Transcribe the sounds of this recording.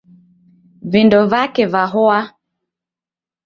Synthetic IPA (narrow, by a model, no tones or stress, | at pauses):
vindɔvakɛvaɦɔa